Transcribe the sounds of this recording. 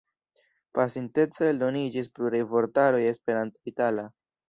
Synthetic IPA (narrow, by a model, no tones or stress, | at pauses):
pasintet͡salonid͡ʒispɾuɾevo̞ɾtaɾoje̞spe̞ɾantaitala